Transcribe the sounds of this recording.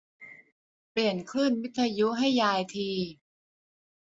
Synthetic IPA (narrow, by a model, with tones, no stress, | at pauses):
pli˨˩ənkʰlɯ˥˩nwi˦˥t̪ʰːa˧ju˦˥ɦa˥˩jːaː˧jt̪ʰiː˧